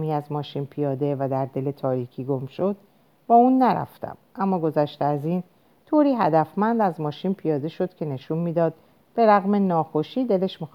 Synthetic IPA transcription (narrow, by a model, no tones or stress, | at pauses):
miːæzmɒːʃiːnpʰijɒːd̪evæd̪æɾd̪e̞le̞t̪ʰɒːɾiːcʰiːɡo̞mʃo̞d̪̥ | b̥ɒːuːnːæɾæ̰ft̪ʰæ̰mʔæmːɒːɡo̞zæʃt̪eæzin | t̪ʰoːɾiːɦæd̪æfmænd̪æzmɒːʃinpʰijɒːd̪e̞ʃo̞d̪̥cʰe̞ne̞ʃunmiːd̪ɒːd̪̥̚ | b̥e̞ɾæɣme̞nɒːxoʃiːd̪e̞leʃmix